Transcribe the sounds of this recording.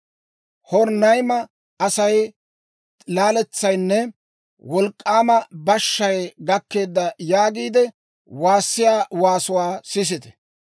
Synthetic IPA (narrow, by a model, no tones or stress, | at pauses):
hɔɾnɐjmɐ | ɐsɐj | laːlɛt͡sːɐjnːɛ | wɔlkʼːaːmɐbɐʃːɐjɡɐkːe̞ːd̪ːɐjaːɡiːd̪ɛ | waːsːɪjaːwaːsʊwaːsɪs̬ɪt̪ɛ̥